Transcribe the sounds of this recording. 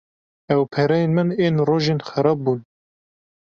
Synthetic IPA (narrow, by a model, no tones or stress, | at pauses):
ɛwpʰɛɾɛjeːnmɨneːnroːʒeːnxæɾɑːb̚buːn